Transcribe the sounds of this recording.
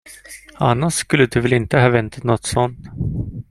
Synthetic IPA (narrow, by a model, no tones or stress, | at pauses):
a̰nːaʂskɵlːəd̪ɵvɛlɪnt̪əɦɑːvɛnt̪ʰḁt̪nɔt̪sɔnt̪